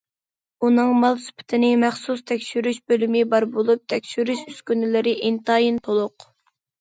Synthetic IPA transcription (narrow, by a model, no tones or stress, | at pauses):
unɨŋmɑlˠsy̥pʰɪ̥t̪ʰɪnɪmæχsust̪ʰɛkʲʃyɾyʃbølymɪbɑɾbolˠup̚t̪ʰɛkʲʃyɾyʃyskʲynɪlɪɾɪʔint̪ɑːjint̪ʰolˠʊq